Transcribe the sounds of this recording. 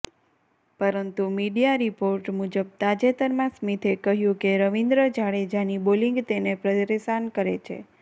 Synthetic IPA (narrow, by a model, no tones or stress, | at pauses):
pəɾənt̪umiɖijaɾipoɾʈmud͡ʒəb̚t̪ad͡ʒet̪əɾmãsmit̪ʰekəɦjũkeɾəʋĩnd̪ɾəd͡ʒaɭed͡ʒaniboliŋɡt̪enepɾəd̪əɾesankəɾet͡ʃʰḛ